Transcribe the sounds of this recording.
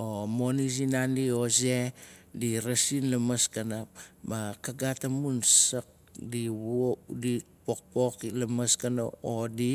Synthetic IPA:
omonis̬inandiozediɾasinlamaskanap̚makaɡatamunsak̚diβodi | pok̚poklamaskano̰odi

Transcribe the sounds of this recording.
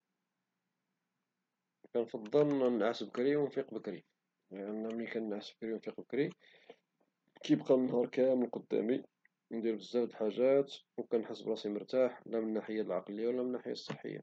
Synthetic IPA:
kænfɑd̪ˤːəlnʕasəbəkɾiwnfiqbəkɾi | ænːæmikænənʕasəb̚kɾiwnfiqbəkɾi | kibqɑnnhɑɾˤkæməlqod̪ːæ̰mi | nd̪iɾbəzːæld̪ħaʒːæt̪ | wkænħəsːəbɾˤɑsimʊɾt̪aħlæmənːaħəjːalʕɑqləjːawlːæmənːaħəjːa̰sˤːəħːə̰jːa̰

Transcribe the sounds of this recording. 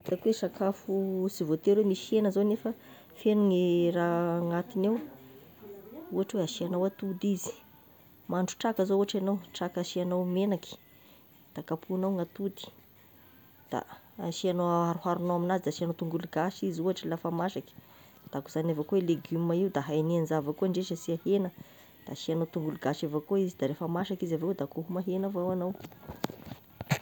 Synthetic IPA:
t̪akwesakʰafusivot̪eɾwemiʃenəzonefə | fenuŋiraŋat̪inew | uaʈ͡ʂweaʃianawat̪ud̪izi̥ | maɳɖ͡ʐu̥ʈ͡ʂakəzouaʈ͡ʂanawʈ͡ʂakaʃianawmenaki̥ | d̪̥akapʰuanawŋat̪ud̪i̥ | d̪̥a̰ | ʃianoaaɾuɦaɾunowaminazid̪aʃianowt̪uŋɡuluɡaʃizuaʈ͡ʂilafamaʃaki̥ | d̪̥akuz̥anʲavəkueleɡyməiwd̪aɦajnianzavəkuaɳɖ͡ʐeʃəsiahenə | d̪̥aʃianot̪uŋɡuluɡaʃavakoizid̪aɾefəmaʃakizavewd̪akoɦumaɦenavawanaw

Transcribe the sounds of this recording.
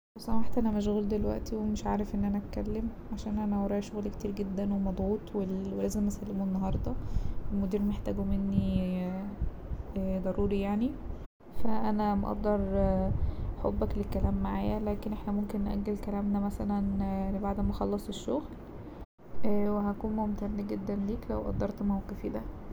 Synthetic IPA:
esˤɑmaħt̪ʔænæmæʃ̬oɣuːld̪elwæ̰ʔt̪iwemeʃʕaːɾefʔenːʔænæt̪kælːemʕaʃæːnʔænæwɑɾˤɑːʃoɣlkt̪iːɾɡed̪ːænwemɑd̪ˤʕuːt̪ˤwelwelæːzemʔæsælːemoenːɑɦɑɾˤd̪ˤɑelmod̪iːɾmeħt̪æːɡumenːi | æd̪ˤɑɾuːɾijaʕni | fæʔænæmʔɑ̰ʔd̪ˤːɑɾˤ | ħobːæklekːælæːmːaʕa̰ːjælæːkenʔeħnæmomkenːʔæ̰ɡːelkælæːmnæmæsælænbaʕd̪mæxɑlːɑsˤeʃːoɣl | weɦækuːnmomt̪æɾnæɡed̪ːænliːklæwʔɑ̰d̪ˤːɑɾˤt̪mæwkæfiːd̪æ

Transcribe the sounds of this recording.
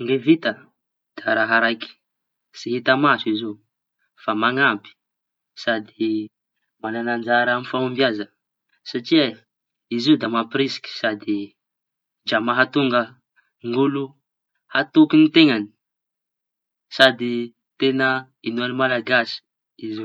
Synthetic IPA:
ŋɡevit̪ə | d̪̥aɾaɦaɾajki̥ | siɦit̪amasuizo | famaŋampi̥ | sad̪i | mananand͡ʒaɾamifamumbjazə | saʈ͡ʂia | izid̪amapiɾisi̥kʲi̥sad̪i | d͡ʒamaɦat̪uŋɡə | ŋɡulu | hat̪ukinit̪eŋani̥ | sad̪i | t̪enə | inuanimalaɡasi̥ | izi

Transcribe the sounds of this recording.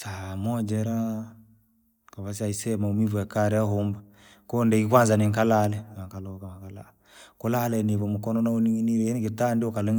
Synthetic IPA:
samɔd͡ʒɛɾa | kaβas̬iaisɛmaumivuakaɾɛaɦomba | kɔndɛkikwanzaniŋkalalɛaŋkalɔkamakala̰ | kɔlalɛniβɔmukɔnɔnauniniɾɛɛnikitandiɔkalɛŋ

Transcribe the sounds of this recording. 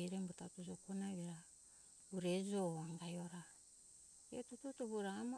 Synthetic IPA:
iɾembutatud͡ʒokonaβeɾa | uɾed͡ʒoaŋɡajoɾa | eotututoβuɾaːm

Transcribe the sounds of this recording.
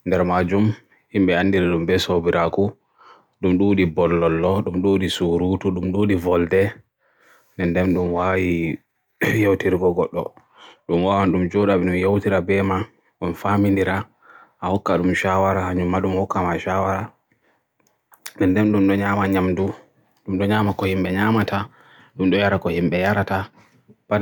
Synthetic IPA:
ndɛɾmad͡ʒum | himɓɛandiɾaɗumbɛsobiɾʔaku | ɗumɗuːɗibɔlːɔlːɔɗumɗuɗisuɾutuɗumɗuːɗivɔldɛ | nɛndɛnɗumwaːwi | jowtiɾiɡɔɡɔɗːɔ̰ | ɗumwawanɗumd͡ʒɔɗaɓɛɗumjowtiɾabɛma | ɗumfamindiɾa | ʔahɔkːaɗumʃawaɾahaɲumːaɗumhɔkːamaʃawaɾa | ndɛndɛnɗumɗɔɲaːmaɲamdu | ɗumɗɔɲamakɔhimɓɛɲamatʰa | ɗumɗɔjaɾakɔhimɓɛjaɾata | ba

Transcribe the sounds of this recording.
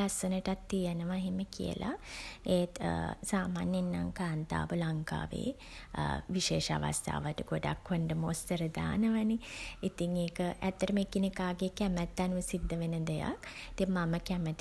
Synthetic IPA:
asənəʈat̪ːijənəʋaɦiməkḭjə̰lʔa̰ejt̪saːmaːnjenːa̰ŋkaːnt̪a̰ːbəlaŋka̰ːʋḛː | ʋiʃeːʃa̰ʋa̰st̪ʰa̰ːʋaʈəɡoɖa̰kʋəɳɖəmoːst̪əɾəd̪a̰ːnəʋaniit̪iŋeːkəʔæt̪ːəɾəmekinekaːɡekɛmɛt̪ːanuʋəsid̪ʱːəʋenəd̪eja̰kt̪emaməkɛmɛt̪

